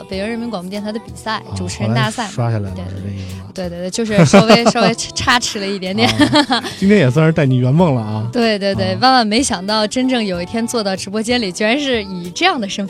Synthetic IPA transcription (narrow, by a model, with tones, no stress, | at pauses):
pe˨˩ɪʈ͡ʂɻə˥˩nmi˧˥ŋkwɑ˨˩ŋpɔ˥t̪jnt̪ʰd̪ə˧pi˨˩sa˥˩ɪʈ͡ʂu˨˩ʈ͡ʂʰɻ̩˧˥ə˥nt̪a˥˧sa˥˩ɪʂwa˥ɕja˥˩a˧˥ɪ˥˧˩t̪we˥˧ɪt̪w̪t͡ɕo˥˧ʂɻ̩˥˧˥ʂʊwe˥ɪʂwe˥ɪ˥ʈ͡ʂʰa˥ʈ͡ʂʰɻ̩˧˥lə˧i˥˩t̪jɛ˧˥nt̪jɛ˨˩nnt͡ɕi˥ŋt̪ʰjɛ˥jɛ˨˩swə˥n˧˥t̪a˥˩ɪni˨˩ɥɛ˧˥nmɤ˥˩ŋlə˩a˧t̪we˥˧ɪt̪we˧t̪we˥˩ɪwa˥nma˥˩nme˧˥ɪɕjɑ˨˩ŋt̪ɑ˥˩ʊʈ͡ʂə˥nʈ͡ʂɤ˥˩ŋjo˨˩ʊi˥˩t̪ʰjɛ˥nt͡swɔ˥˧t̪ɑ˥˩ʊʈ͡ʂɻ̩˧˥p̬wɔ˥t͡ɕjɛ˥nli˨˩t͡ɕɛ˧˥ɻa˧˥nʂɻ̩˥˩i˨˩ʈ͡ʂɤ˥˧jɑ˥˩ŋd̪ə˩ʂə˥nf